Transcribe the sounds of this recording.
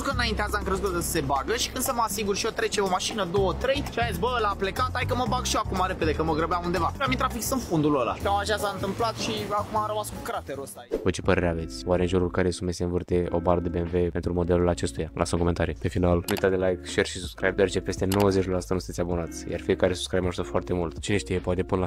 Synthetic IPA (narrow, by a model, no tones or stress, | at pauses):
kəɨnaint̪eazəŋkɾezut̪d̪əsə̥se̞baɡəʃi̥kɨnd̪səməasiɡurʃiot̪ɾe̞t͡ʃeomaʃinəd̪o̞wət̪ɾe̞jʃiaetsʲbəəlaple̞kat̪ajkəməbaɡʃioakumaɾe̞pe̞d̪e̞kəməɡɾəbeamund̪e̞vaʃamint̪ɾafiksɨnfund̪ulola̰kamaʒasaɨnt̪ɨmplat̪ʃiakumaɾəmaskukɾat̪eɾosajot͡ʃe̞pəɾe̞ɾeave̞t̪sʲwaɾeɨnʒuɾulkaɾejsunmeseɨnvɨrt̪e̞ʔobaɾəd̪ebeenve̞pe̞nt̪ɾumo̞d̪e̞lulat͡ʃe̞st̪ujala̰səmkome̞nt̪aɾijpe̞finalnuujt̪atd̪elajkʃerʃi̥sub̥skɾa̰jb̚d̪oaɾet͡ʃepe̞st̪eno̞wəzet͡ʃʲloasut̪anusɨnt̪ʲabunat̪sʲja̰rfijekaɾesu̥skɾajbmaʒuzəfoart̪e̞mult̪t͡ʃeneʃt̪ijepoat̪epunla